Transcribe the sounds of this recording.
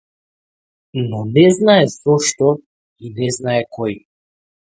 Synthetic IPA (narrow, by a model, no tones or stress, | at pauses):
nɔnɛznaɛz̥ɔʃt̪ɔ | inɛznaɛkɔj